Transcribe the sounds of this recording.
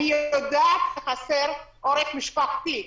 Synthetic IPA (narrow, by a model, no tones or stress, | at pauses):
nijod̪aːt̪eχaseɾʔoɾeχmiʃpaχt̪i